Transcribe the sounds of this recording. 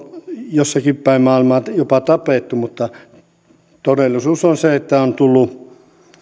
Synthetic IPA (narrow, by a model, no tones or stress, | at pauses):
josːɑkippæimmɑˑeilmɑjopɑt̪ɑpeˑt̪ːumut̪ːɑ | t̪odelːisuːsonseet̪ːæont̪ulːu